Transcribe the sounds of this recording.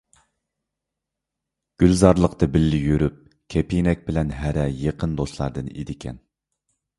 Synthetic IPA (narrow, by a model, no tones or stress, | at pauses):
ɡ̥ʲylzɑɾlˠəqt̪ɨbɪlːɪjøɾyp̚ | kʲʰɛpʰinɛk̚ʲbɪlɛnɦæɾɛjeqʰənd̪oslˠɑɾd̪ɨnḛd̪ɪkʲʰɛ̰n